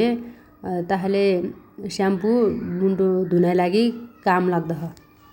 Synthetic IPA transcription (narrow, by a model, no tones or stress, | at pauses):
e | t̪ʌɦãlesampumuɳʈud̪ʱunajlaɡikamlaɡ̚d̪ʌɦʌ